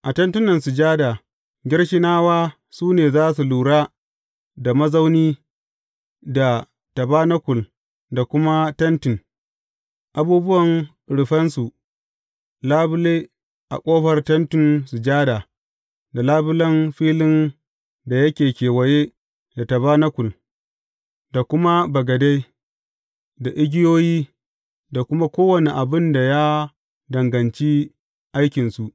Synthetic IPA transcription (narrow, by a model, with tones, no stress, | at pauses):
ʔa˨tɐ˦ntʊ˦nɐ˨nsu˨d͡ʒaː˦daː˨ | ɡʲɪ˦ɽʃɪ˦naː˦waː˦ | suː˦neː˨zaː˦s̬u˨luː˨ɽaː˦ | da˨mɐ˦za˦wniː˦ | da˨ | tɐ˨baː˦nɐ˦kʷʊ˨l | da˨kʷʊ˦ma˦tɐ˦ntɪ˨n | ʔa˨buː˦bʊ˦wɐ˨ŋ˨ | ɽɪ˨ɸɐ˦nsu˨ʔ | laː˦bʊ˦leː˦ | ʔa̰˨kʷʼoː˦ɸɐ˨rtɐ˦ntɪ˨nsu˨d͡ʒaː˦da˨ | da˨laː˦bʊ˦lɐ˦mɸiː˦lɪ˦n | da˨jɐ˦kʲeː˨kʲeː˨wɐ˨je˦ | da˨tɐ˨βa˦nɐ˦kʷʊ˨l | da˨kʷʊ˦ma˦bɐ˨ɡɐ˨da˦j | da˨ʔɪ˦ɡʲɪ˦joː˦jiː˦ | da˨kʷʊ˦ma˦kʷoː˦wɐ˨ne˨ʔa˨bɪ˦nda˨ja˦ | dɐ˨ŋɡɐ˨nt͡ʃi˦ | ʔa˦jkʲɪ˨nsu˨ʔ